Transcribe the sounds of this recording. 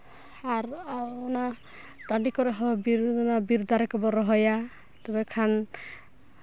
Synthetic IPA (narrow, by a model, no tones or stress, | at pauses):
aɾɔna | ʈaɖikɔɾeɦɔbiɾnabiɾd̪aɾɛkɔbɔɾɔɦɔja | t̪ɔbekʰan